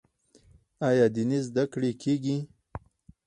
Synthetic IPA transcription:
ajɑd̪inizd̪akɽekʰeɡi

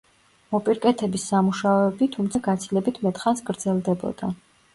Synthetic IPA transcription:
mɔpʼiɾkʼɛt̪ʰɛbisːamuʃaɔɛbit̪ʰumt̪sʰaɡat̪sʰilɛbit̪ʰmɛt̪ʼχansɡɾd̪z̥ɛlˠd̪ɛbɔ̰d̪̥a

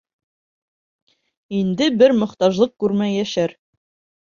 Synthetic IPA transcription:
ind̪ɘbɘɾmɵ̆χt̪ɑʒlˠɤq̚kʉɾmæjæʃæɾ

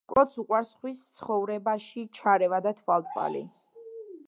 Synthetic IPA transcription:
kʼɔt̪sʰuqʼwaɾsχwist̪sʰχɔvɾɛbaʃit͡ʃʰaɾɛvad̪at̪ʰvalˠt̪ʼvʼa̰lḭ

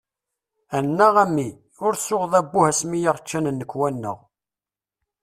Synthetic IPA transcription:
ænːəʁæmːi | ʊɾsʊʁðˤæbːʊhæsmijaʁt͡ʃːænənːəkːwænːə̰ʁ

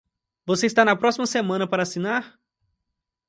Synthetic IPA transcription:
voseist̪anɐpɾɔsimɐsemɐ̃nɐpaɾɐːsinaɾ

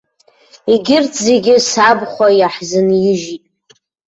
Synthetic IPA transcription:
iɡʲɪrtʰzeɡʲɪsabχʷajaħzɨnjɪʒitʼ

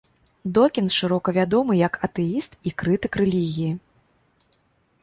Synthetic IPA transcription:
d̪ɔkʲinʂɨɾɔkɐvʲad̪ɔmɨjɐkɐt̪ɛjist̪ikɾɨt̪ɨkɾɛlʲiɣʲiji

